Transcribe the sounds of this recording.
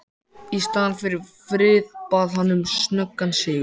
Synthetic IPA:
ist̪aːðanfɪɾɪɾfɾɪːðpaðhanːʏmsnœkːansɪːʏ

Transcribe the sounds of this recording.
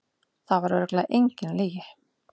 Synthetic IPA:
θavaɾvɛɾklaʔejɲcɪnleːjɪ

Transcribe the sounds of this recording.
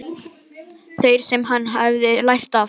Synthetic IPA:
θejɾ̥sɛmɦanːɦavðɪlajr̥t̪af

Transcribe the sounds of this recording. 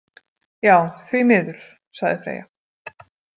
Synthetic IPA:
jaːwθvimɪːðʏɾ̥ | saɣðɪfɾḛːja

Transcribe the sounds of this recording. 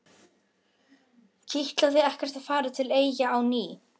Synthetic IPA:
cʰiht̪laðθɪðɛhcɛɾ̥t̪að̥faːɾat̪ʰɪleːjjaːwniː

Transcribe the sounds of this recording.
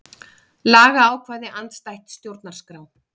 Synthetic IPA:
laːɣaːwkʰvaːðɪʔant̪st̪ajht̪st̪jowɾt̪naɾ̥skɾaw

